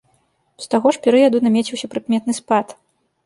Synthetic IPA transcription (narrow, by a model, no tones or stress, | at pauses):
st̪aɣɔʂpʲɛɾɨjɐd̪unamʲɛt͡sʲiwsʲɐpɾɨkmʲɛt̪nɨspat̪